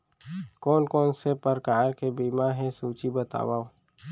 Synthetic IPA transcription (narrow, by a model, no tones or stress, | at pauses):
koːnkoːnsepəɾkaːɾkebiːmaɦɛ̃suːt͡ʃibət̪a̰ːwaː